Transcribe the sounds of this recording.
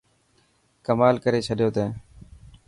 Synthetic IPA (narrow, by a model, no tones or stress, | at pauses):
kəmaːlkəɾeːt͡ʃʰəɗjoːt̪ẽː